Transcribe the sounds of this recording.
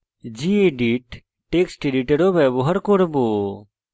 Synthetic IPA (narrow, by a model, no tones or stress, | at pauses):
d͡ʒieɖiʈː | eːksʈiɖiʈeɽoːbɛːboɦɐɾkoɽboː